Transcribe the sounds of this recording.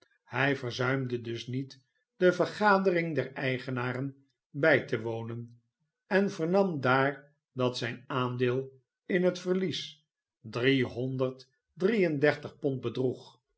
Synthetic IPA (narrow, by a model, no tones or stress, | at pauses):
hɛjvəɹzœɥmdədɵsnit | d̥əvəɹχaːdərɪŋdɛrɛjχənaːrən | bɛjtəʋownən | ɛnvəɹnɑmdaːɹ | dɑtsɛjnaːndɪːlˠ | ɪnɦətfəɹlis | driɦɔndəɹt | drijəndɛɹtəχpɔnt̚bədruχ